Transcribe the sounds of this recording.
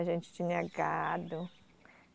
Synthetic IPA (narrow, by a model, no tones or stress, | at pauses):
aʒẽnt͡ʃɪ̥t͡ʃ̪ĩɲɐaɡad̪ʊ